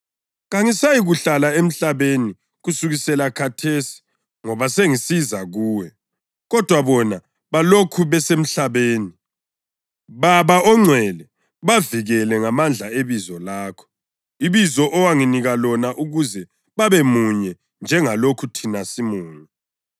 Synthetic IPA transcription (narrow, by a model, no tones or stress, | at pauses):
ɣaŋisajiɣuɬalaem̩ɬaβeni | ɣusuɣisɛlakʰatʰesi̥ | ŋɔβaseŋisizaɣuːwɛ | ɣɔd̥ʱwaβɔna | βalokʰuβɛsem̩ɬaβeːni | βaβaʔɔŋ͡ǀʱwɛlɛ | βaviɣɛlɛŋamand͡ɮʱaeβizɔlaːkʰɔ̥ | iβizɔʔɔwaŋiniɣalɔnaʔuɣuzɛ | βaβemuɲɛ | nd͡ʒʱɛŋalokʰutʰinasimuːŋi